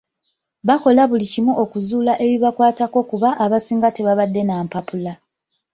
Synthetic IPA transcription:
βako̞laβulicimuʔo̞kuzuːlaʔe̞βiβakwaːtako̞kuβaʔːβasiːŋɡate̞βaβadːe̞naːmpapula

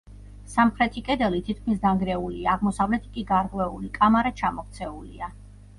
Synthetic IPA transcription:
samχɾɛt̪ʰikʼɛd̪ɛlit̪ʰit̪̚ʰkʰmis̬d̪aŋɡɾɛuliaːʁmɔsavlɛt̪ʰi̥kʼiɡaɾqʼwɛulikʼamaɾat͡ʃʰamɔk̚t̪sʰɛulḭa

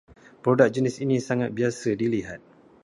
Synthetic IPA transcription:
pɾodak̚d͡ʒənɪsinisaŋat̪̚biasədiliɦat̪̚

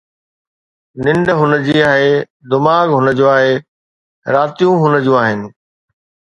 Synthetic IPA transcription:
nɪ̃ɳɖɦʊnəd͡ʑiːaːɦe | d̪ɪmaːɡɦʊnəd͡ʑoːaːɦe | ɾaːt̪ijũɦʊnə̆d͡ʑũːaːɦɪnɪ̆

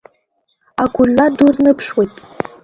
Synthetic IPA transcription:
aɡʷʊlːadurnɨpʰʂwijtʼ

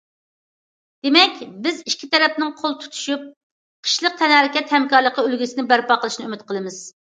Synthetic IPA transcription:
d̪̥emɛkʲbɪziʃkʲʰi̥t̪ʰɛɾɛp̚nɪŋqʰolˠt̪ʰu̥t̪ʰu̥ʃup̚ | qʰə̥ʃlˠəq̚t̪ʰɛnhɛɾɪkʲɛt̪hɛmkɑɾlˠəqʰəølɡʲisɪnɪbæɾpɑqʰəlˠɨʃnɨymɪt̪̚qʰəlˠɨmɪz̥

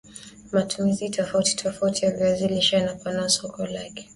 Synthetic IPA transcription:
matumizitɔfauti̥tʰɔfautʰijaɡɾaziliʃaanapanasɔkɔlakɛ̥

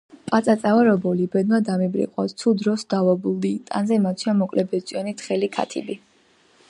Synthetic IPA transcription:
pʼat̪sʼat̪sʼavaɾɔbɔlibɛd̪mad̪amibɾḭqʼɔ̰t̪sʰud̪ɾɔsd̪avɔbulˠd̪it̪ʼa̰nzɛmat̪sʰiamɔkʼlɛbɛsʼiɔnit̪χɛlikʰa̰t̪ʰḭbi

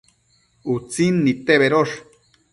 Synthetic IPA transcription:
ut͡sinːit̪eβeɾoʂ

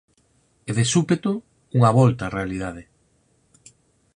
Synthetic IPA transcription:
eðesupet̪o | uŋaβɔlt̪arealið̞að̞e

